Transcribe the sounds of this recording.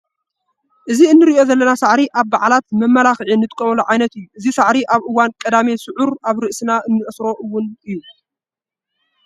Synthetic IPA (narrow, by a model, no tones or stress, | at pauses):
ʔɨziɨnːɨɾiʔo̞zɐlːɐnasaʕɾiʔaβbaʕlat̪mɐmːɐlaxʕinːɨt̪ʼɨkʼːɐmɐluʕajnɐt̪ɨjːuʔɨzisaʕɾiʔaβʔɨwːankʼɐd̪amesɨʕʊɾaβɾɨʔsɨnaʔɨnːɨʔɨsɾo̞ʔɨwːʊnɨjːu